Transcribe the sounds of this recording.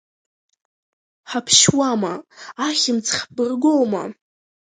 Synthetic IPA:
ħapʰʃwamaaχʲɪmt͡sʰχʲbɨrɡowma̰

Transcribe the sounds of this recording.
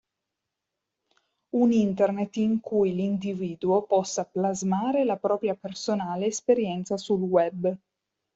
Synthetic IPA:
unint̪ernet̪ːiŋkʰujlind̪iviːd̪uopɔsːaplazmaːɾelapɾɔːpɾjapersonaːleːspeɾjɛnt̪sasulwɛbː

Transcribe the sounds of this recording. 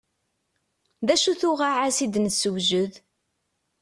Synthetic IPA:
ðæʃuθʊʁaʕasid̪nəsəwʒəð

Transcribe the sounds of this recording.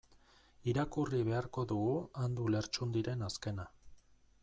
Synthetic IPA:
iɾakuriβ̞e̞aɾko̞ðuɣuand̪ule̞ɾt͡ʃund̪iɾe̞naske̞na

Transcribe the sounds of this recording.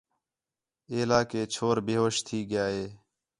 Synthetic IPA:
eːlaːkeːt͡ʃʰoːɾbeːɦoːʃt̪ʰiːɡɪjaːɦeː

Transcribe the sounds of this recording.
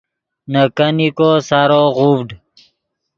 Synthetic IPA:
nəkənikosaɾoʁubɖ

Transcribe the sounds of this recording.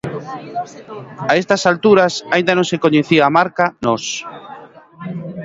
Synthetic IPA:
aest̪asalt̪uɾasaĩnd̪anõŋsekoɲeθiaːmaɾkanɔs

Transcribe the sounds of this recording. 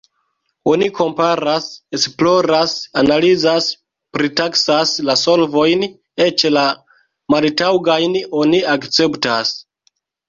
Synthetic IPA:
o̞nikʰo̞mpaɾase̞splo̞ɾasanalizas | pɾitaksaslaso̞lvo̞jn | et͡ʃla | maltawɡajno̞niakt͡se̞ptas

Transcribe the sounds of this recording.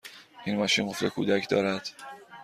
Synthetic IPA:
ʔinmɒːʃinɢo̞ft̪ekʰṵːd̪æcʰd̪ɒːɾæd̪̥

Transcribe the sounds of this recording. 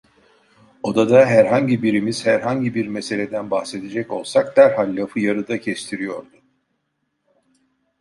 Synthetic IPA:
o̞d̪ad̪aɦæɾɦaɲɟibiɾimiz̥hæɾɦaɲɟibiɾmese̞lʲe̞d̪ænbaxse̞d̪ed͡ʒɛco̞lˠsak̚d̪æɾɦalʲːafɯjaɾɯd̪acʰɛst̪ʰiɾijo̞ɾd̪u

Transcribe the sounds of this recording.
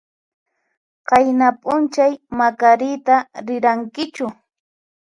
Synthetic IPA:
qɑjnapʼʊnt͡ʃajmakaɾɪt̪aɾɪɾaŋkɪt͡ʃʊ

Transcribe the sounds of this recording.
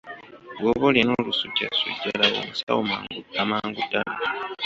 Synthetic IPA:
ɡwoβoleno̞ːlusuɟa̰sṵɟːalaβo̰musa̰womamaːŋɡudːala

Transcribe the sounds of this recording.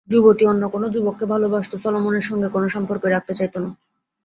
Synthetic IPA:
d͡ʑubot̪ionːokonod͡ʑubokːebʱalobaʃt̪osɔlomoneɾʃɔŋɡekonoʃɔmpoɾkoeɾak̚t̪et͡ɕajt̪ona

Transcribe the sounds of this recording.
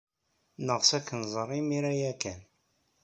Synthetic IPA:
nəʁsækːənzˤərˤːimiɾæjækːæn

